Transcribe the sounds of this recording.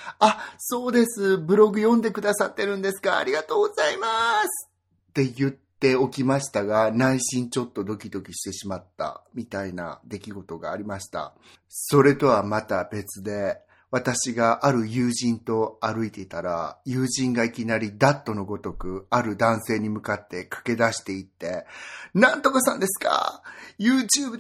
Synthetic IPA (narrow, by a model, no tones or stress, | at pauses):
aso̞ːd̪e̞sɨbɯ̟ɾo̞ɡɯ̟jõ̞nd̪e̞kɯ̟d̪asat̪ːe̞ɾɯ̟̃nd̪e̞sɨ̥ɡa̰ːɾʲiɡat̪o̞ːɡo̞z̥aimasɨ̥ | t̪e̞jɯ̟t̪ːe̞o̞kʲimaɕi̥t̪aɡanaiɕĩɲ̟t͡ɕo̞t̪ːo̞d̪o̞kʲid̪o̞kʲiɕi̥t̪e̞ɕimat̪ːa̰mʲit̪aina̰d̪e̞kʲiɡo̞t̪o̞ɡaːɾʲimaɕi̥t̪a̰ | so̞ɾe̞t̪o̞βamat̪abe̞t͡sɨd̪e̞ | βat̪aɕiɡaʔaɾɯ̟jɯ̟ːʑĩnt̪o̞aɾɯ̟it̪e̞it̪aɾajɯ̟ːʑĩŋɡaikʲinaɾʲid̪at̪ːo̞no̞ɡo̞t̪o̞kɯ̟aɾɯ̟d̪ãɰ̃se̞ːɲ̟imɯ̟kat̪ːe̞kḁke̞d̪aɕi̥t̪e̞it̪ːe̞nãnt̪o̞kaɕt̪ã̰nd̪e̞sɨ̥ka̰jɯːt͡ɕɨːbɯ